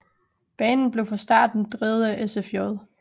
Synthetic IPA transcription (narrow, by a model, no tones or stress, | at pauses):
b̥ɛːnn̩b̥le̝ʊfʰɒsd̥ɑ̰̈ːd̥nd̥ʁið̩ˠəʔesefjɔðˠ